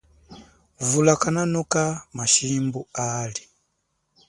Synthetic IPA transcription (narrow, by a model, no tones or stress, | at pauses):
vulakananɔkamaʃimbuali